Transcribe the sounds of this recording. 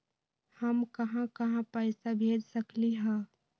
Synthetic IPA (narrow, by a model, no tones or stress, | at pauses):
həmkɐɦãkɐɦãpəɪsabʱeːd͡ʒsəkliɦɛ̃ː